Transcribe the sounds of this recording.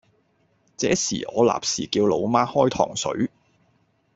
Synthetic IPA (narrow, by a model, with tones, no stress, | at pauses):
t͡sɛː˨˥sḭː˨˩ʔɔ̰ː˨˧la̰ː˨p̚siː˨˩kiː˧wlo˨˧wmaː˥hɔː˥jt̪ʰɔ̰ː˨˩ŋsɵ̰˨˥ɥ